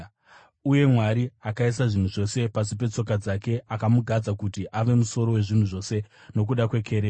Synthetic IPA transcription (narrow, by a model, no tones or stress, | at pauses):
uje̞mwaɾiakaisaʐin̤uʐo̞se̞pasipe̞t͡so̞kad͡zake̞ʔakamuɡʱad͡zakutiʔaʋe̞muso̞ɾo̞we̞ʐin̤uʐo̞se̞no̞k̬uɗakwe̞kʰe̞ɾeː